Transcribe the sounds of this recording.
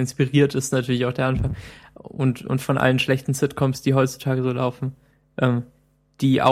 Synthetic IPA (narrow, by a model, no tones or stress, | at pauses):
ɪnspiʁiːɐtɪstnatʰyːɐlɪçaʊxd̥eːɐanfaŋʊ̰ntʊ̰ntfɔnʔa̰lənʃlɛçtn̩sɪtkʰɔmsd̥iːɦɔʏt͡su̥tʰaːɡəzoːla̰ʊfn̩ | ʔɛːm | d̥iːʔa̰